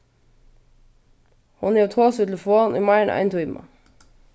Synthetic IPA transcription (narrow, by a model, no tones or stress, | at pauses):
hʊnjɛːt̪ʰoːsət̪l̩foːnʔiːmɑɪəɳʔæ̰ɪnt̪ʰʊɪmʔɑ̰